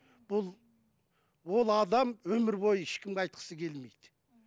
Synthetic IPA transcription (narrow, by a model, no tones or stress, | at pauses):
b̥ʊlˠ | wo̞lˠɑd̪ɑmwɵmɪɾbo̞jəɪʃkʲɪmɡʲeɑjt̪̚qʰə̥səkʲʰe̞lmejd̪ɪ